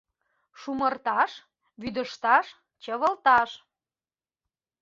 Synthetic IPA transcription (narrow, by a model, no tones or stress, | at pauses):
ʃumərt̪ɑʃ | βyd̪əʃt̪ɑʃ | t͡ɕəβəlt̪ɑʃ